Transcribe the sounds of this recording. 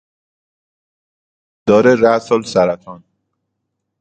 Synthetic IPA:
d̪̥ɒːɾeɾæsolsæɾæt̪ʰɒːn

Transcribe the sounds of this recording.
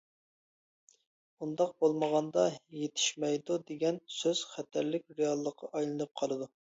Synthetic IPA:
und̪ɑq̚bolˠməʁɑnd̪ɑjet̪ʰɪ̥ʃmɛjd̪ud̪eɡʲɛnsøz̥χæt̪ʰæɾlɪk̚ʲɾejɑlˠːəqʰɑʔɑjlˠɨnɨp̚qʰɑlˠɨd̪u

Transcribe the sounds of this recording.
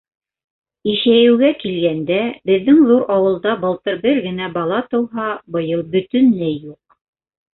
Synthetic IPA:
iʃæjɘ̆wɡækilɡænd̪æbɘ̆ðːɘŋðuɾɑwɤ̆lˠd̪ɑbɤ̆lˠt̪ɤɾbɘɾɡɘ̆næbɑlˠɑt̪ɤ̆wɦɑbɤ̆jɤlˠbɵ̆t̪ɵ̆nlæjːuq̚

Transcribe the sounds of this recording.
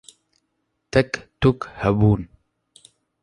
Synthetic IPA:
t̪ɛkt̪ukhɛbuːn

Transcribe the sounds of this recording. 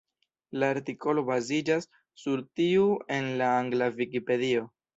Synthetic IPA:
laːɾtiko̞lo̞bazid͡ʒasː | uɾtiue̞nlaaŋɡlavikipe̞dio̞

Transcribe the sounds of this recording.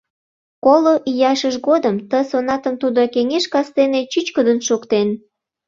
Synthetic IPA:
koloʔijɑʃəʃɣod̪əmt̪əsonɑt̪əmt̪ud̪okeŋeʃkɑst̪enet͡ɕyt͡ɕkəd̪ənʃokt̪en

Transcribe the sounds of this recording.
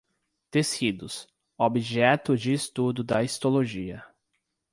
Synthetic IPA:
t̪esid̪ʊs | obiʒɛt̪ʊd͡ʒɪːst̪ud̪ʊd̪ɐist̪oloʒiɐ

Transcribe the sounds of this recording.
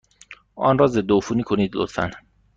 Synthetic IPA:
ʔɒ̰nrɒːzed̪ofuːniːkʰoniːd̪lo̰t̪fæ̰n

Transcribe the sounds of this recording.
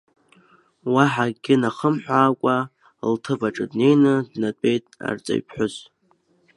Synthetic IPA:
waħaɡʲɪnaχəmħʷᶣaːkʷʼa | ltʰɨbaʈ͡ʂʼɨdne̞jnɨdnatʷʼe̞jtʼa̰rt͡sʼa̰ɥpʰħʷᶣʊz

